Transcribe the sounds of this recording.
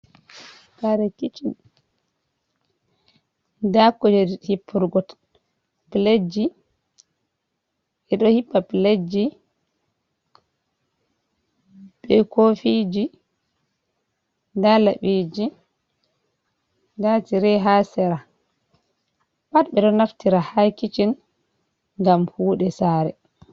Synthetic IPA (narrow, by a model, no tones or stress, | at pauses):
kaɾɛkit͡ʃi | dakːɔd͡ʒɛhipʰːuɾɡɔt | pled͡ʒi | ʔɛɗɔhipːapled͡ʒi | ɓɛkofid͡ʒi | dalaɓid͡ʒi | datiɾɛɦasɛɾa | ɓat̚ɓɛɗɔnaftiɾahakit͡ʃin | ŋɡamhuːɗɛsaːɾɛ